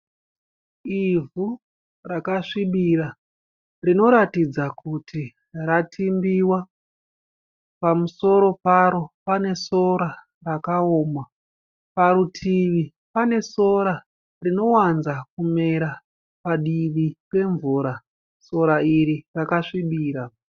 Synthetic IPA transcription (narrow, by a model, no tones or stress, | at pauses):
ivu | rakaʂiɓira | rino̞ɾatid͡zakʰutʰi | ratʰimbiwa | pamuso̞ɾo̞paɾo̞pane̞so̞ɾa | rakaoːma | paɾutʰiʋi | pane̞so̞ɾa | rino̞wanzakumeɾa | paɗiʋike̞ɱvuːɾa | so̞ɾaiɾirakaʂiɓiːɾa